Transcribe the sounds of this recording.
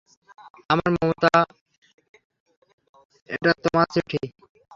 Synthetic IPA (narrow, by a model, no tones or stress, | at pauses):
amaɾmomot̪a | ḛʈat̪omat͡suʈʰi